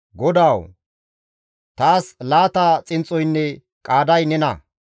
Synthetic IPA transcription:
ɡɔd̪aːw | t̪aːslaːt̪aːt͡sʼɪnt͡sʼːɔjnːɛ | kʼaːd̪ɐjnɛnɐ

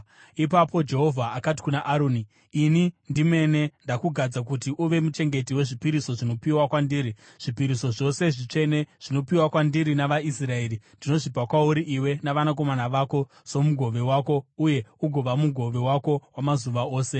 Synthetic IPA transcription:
ipapo̞d͡ʒe̞ɦo̞vʱaakat̬i̥kunaʔaɾoːniː | nindime̞ne̞ndakuɡʱad͡zak̬utiʔuʋe̞mut͡ʃe̞ŋɡe̞tiwe̞ʐipiɾisoʐino̞piwakwandiːɾi | ʐ̥ipiɾiso̞ʐo̞se̞ʐit͡ʂe̞ne̞ʐ̥ino̞piwakwandiɾinaʋaisrae̞ːɾindino̞ʐipakwauɾiʔiwe̞naʋanak̬o̞manaʋako̞ | so̞muɡʱo̞ʋe̞waːko̞uje̞uɡʱo̞ʋamuɡʱo̞ʋe̞wako̞wamazuʋao̞ːse̞

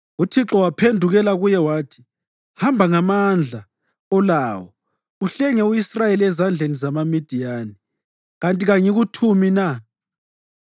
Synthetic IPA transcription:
utʰiǁɔwapʰendʱuɣɛlaɣujɛwaːtʰi̥ | hambʱaŋamand͡ɮʱa | ɔlaːwɔ | uɬɛɲɛuisrajeliɛzand͡ɮʱenizamamid̥ʱijaːni | ɣantʼiɣaɲiɣutʰumina

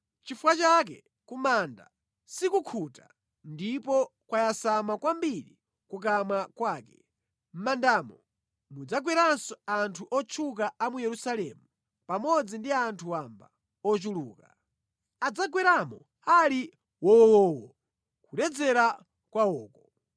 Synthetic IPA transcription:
t͡ʃifuwat͡ʃak̬ɛ | kumanda | sikukʰuta̰ | ndipɔkwajasamakwambiɾi | kuk̬amakwaːkɛ | m̩mandaːmɔ | mud͡zaɡwɛɾansɔantʰuʔɔt͡ʃʰukaamujɛɾusalɛ̰mu | pamɔd͡zindiantʰuamba̰ | ɔt͡ʃuluːka | ad͡zaɡwɛɾamɔ | ali | wɔwɔːwɔ | kuɾɛd͡zɛɾa | kwawɔːkɔ

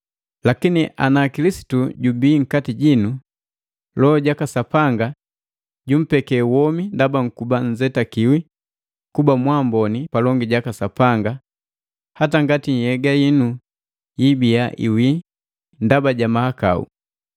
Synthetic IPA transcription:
lakiniʔa̰nakilisi̥tuɟubiːŋ̩katiɟinu | lɔːɟakasapaŋɡa | ɟum̩pɛkɛwɔmindabaŋ̩kubaɲzɛtakiwi | kubamwambɔnipalɔŋɡiɟakasapaŋɡa | hataŋɡatiɲ̩hɛɡajinu | jibijaʔḭwi | ndabaɟamahaka̰ṵ

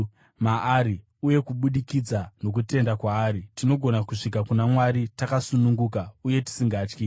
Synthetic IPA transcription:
maːɾi | uje̞kuɓuɗikid͡zano̞k̬ute̞ndakwaːɾitino̞ɡʱo̞nakuʂikakunamwaɾitakasunuŋɡuːkauje̞ti̥siŋɡaːt͡ʃki

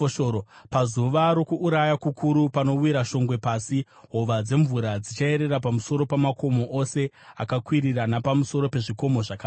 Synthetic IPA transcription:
ʃoopazuʋaɾo̞kuːɾajakukʰuɾupano̞wiɾaʃo̞ŋɡwe̞paːsi | ɦoʋad͡ze̞ɱvuɾad͡zit͡ʃae̞ɾe̞ɾap̬amuso̞ɾo̞pamako̞mo̞ʔose̞ | akakwiɾiranapamuso̞ɾo̞pe̞ʐiko̞mo̞ʐaka

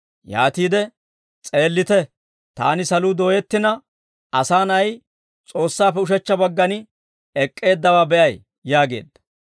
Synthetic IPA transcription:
ja̰ːt̪iːd̪ɛ | t͡sʼe̞ːlːɪt̪ɛ | t̪a̰ːnɪsɐluːd̪o̞ːjɛt̪ːɪnɐ | ɐsaːnɐj | t͡sʼo̞ːsːaːfɛʊʃɛt͡ʃːɐbɐɡːɐnɪ | ɛkʼːe̞ːd̪ːɐwaːbɛʔɐj | jaːɡe̞̰ːd̪ːɐ̥

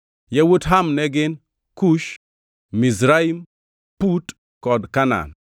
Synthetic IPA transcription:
jawutɦamnɛɡɪn | kuʃ | mizɾaim | put | kɔdkana̰n

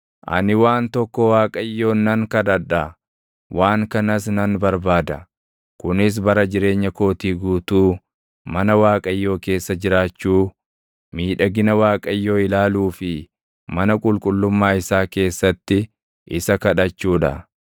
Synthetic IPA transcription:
ʔɐ̰nɪwaːnt̪ɔkːɔwaːkʼɐjːo̞ːnːɐŋkɐᶑɐᶑɐ | wʔaːŋkɐnɐs̬nɐnbɐɾbaːd̪ɐ | kʊnɪs̬bɐɾɐd͡ʒɪɾe̞ːɲːɐko̞ːt̪iːɡuːt̪uː | mɐnɐwaːkʼɐjːo̞ːke̞ːsːɐd͡ʒɪɾaːt͡ʃːuː | miːᶑɐɡɪnɐwaːkʼɐjːo̞ːɪlaːluːfɪ | mɐnɐkʼʊlkʼʊlːʊmːaːɪsaːke̞ːsːɐt̪ːɪ | ʔɪsɐkɐᶑɐt͡ʃːuːᶑɐ̰

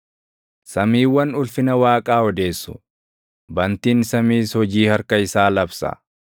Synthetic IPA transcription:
sɐmiːwːɐnʊlfɪnɐwaːkʼaːɔd̪e̞ːsːʊ̥ | bɐnt̪iːnsɐmiːshɔd͡ʒiːhɐɾkɐɪsaːlɐbsɐ̰

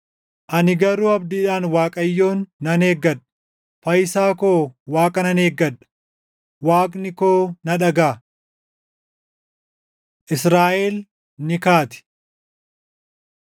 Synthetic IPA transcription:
ʔɐnɪɡɐɾuːɐbd̪ɪːᶑaːnwaːkʼɐjːo̞ːnːɐne̞ːɡːɐᶑɐ̥ | fɐjsaːkoːwaːkʼɐnɐneːɡːɐᶑɐ̥ | waːkʼnɪkoːnɐᶑɐɡaː | ʔɪsɾaːʔel | nɪkaːt̪ɪ̥

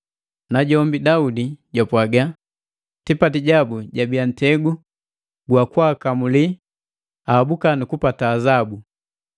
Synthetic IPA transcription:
naɟɔmbidaudiɟapwaɡa | tipatiɟabuɟabian̩tɛɡu | ɡwakwakamuli | aːbukanukupataːzabu

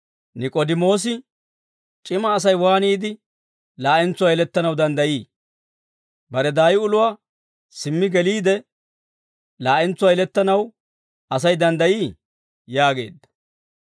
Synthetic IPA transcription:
nɪkʼɔd̪ɪmo̞ːs̬ɪ | t͡ʃʼɪmɐːs̬ɐjwaːniːd̪ɪ | laːʔɛnt͡sːʊwajɛlɛt̪ːɐnɐwd̪ɐnd̪ɐjiː | bɐɾɛd̪aːjɪʊlʊwaː | sɪmːɪɡɛliːd̪ɛ | laːʔɛnt͡sːʊwajɪlɛt̪ːɐnɐw | ɐsɐjd̪ɐnd̪ɐjiː | jaːɡe̞̰ːd̪ːɐ̥

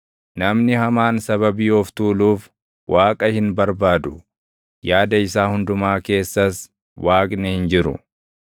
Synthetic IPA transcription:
nɐmnɪhɐmaːnsɐβɐbiːɔft̪uːluːf | wʔaːkʼɐhɪnbɐɾbaːd̪ʊ̥ | jaːd̪ɐɪsaːhʊnd̪ʊmaːke̞ːsːɐs | waːkʼnɛhɪnd͡ʒɪɾʊ̰

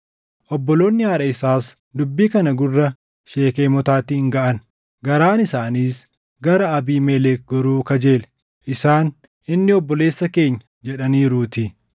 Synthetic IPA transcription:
ʔɔbːɔlo̞ːnːɪhaːᶑɐɪsaːs | d̪ʊbːiːkɐnɐɡʊrːɐ | ʃeːkeːmɔt̪aːt̪ɪhɪŋɡɐʔɐn | ɡɐɾaːnɪsaːniːs | ɡɐɾɐɐbiːmelɛːk̚ɡɔɾuːkɐd͡ʒe̞ːlɛ | ʔɪsaːn | ʔɪnːɪɔbːɔle̞ːsːɐke̞ːɲːɐ̥ | d͡ʒɛᶑɐniːɾuːt̪ɪ

